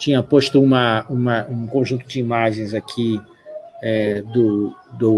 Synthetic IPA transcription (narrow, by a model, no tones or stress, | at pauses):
t͡ʃĩɲɐpoʃt̪ʊũmɐũmɐʔũkõʒũnt̪ʊd͡ʒɪimaʒẽj̃zakʰi | ɛd̪ʊd̪ʊ